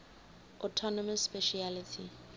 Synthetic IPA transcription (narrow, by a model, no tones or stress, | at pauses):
ɔtʰɔnɔmasːpɛʃialitʰi